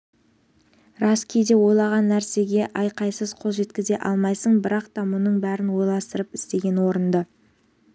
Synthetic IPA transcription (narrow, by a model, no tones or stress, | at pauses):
ɾɑskʲʰejd̪e̞wo̞jlˠɑʁɑnːæɾse̞ɡʲe̞ʔɑjqɑjsəzqʰolˠʒe̞t̪kʲɪze̞ʔɑ̰lˠmɑjsəɴbɪɾɑqt̪ɑmʊnəɴbæɾɪnwo̞jlˠɑst̪əɾəpɪ̥st̪e̞ɡʲe̞nwo̞ɾənd̪ə